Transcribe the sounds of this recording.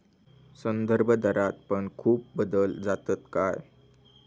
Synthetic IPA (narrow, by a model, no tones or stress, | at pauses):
sənd̪əɾbʱəd̪əɾat̪̚pəɳkʰuːp̚bəd̪əld͡zat̪ət̪kaj